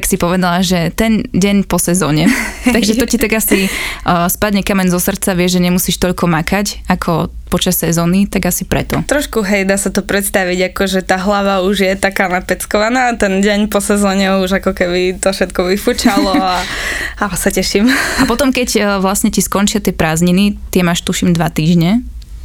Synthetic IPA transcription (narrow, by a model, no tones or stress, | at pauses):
ksipɔʋɛd̪alaʒɛt̪ɛnɟɛɲpɔsɛzɔːɲɛt̪aɡʒɛt̪ɔtcit̪aɡasispadɲɛkamɛɲzɔsr̩t͡saʋɪɛʒʒɛɲɛmusiːʃt̪ɔʎkɔmakacakʰɔpɔt͡ʃasːɛzɔːnit̪aɡasipɾɛ̰t̪ɔt̪ɾɔʃkuɦɛjd̪aːsat̪ɔpɾɛt̪st̪aʋiɟakɔʒɛt̪aːɦlaʋauʒjɛt̪akaːnapɛt͡skɔʋanaːt̪ɛnɟɛɲpɔsɛzɔːɲɛuʒakɔkɛbit̪ɔfʃɛt̪kɔʋifut͡ʃalɔaasacɛʃimapɔt̪ɔmkɛcːʋlasɲɛciskɔnt͡ʃɪat̪ɪɛpɾaːzɲinit̪ɪɛmaːʃt̪uʃimd̪ʋat̪iːʒɲɛ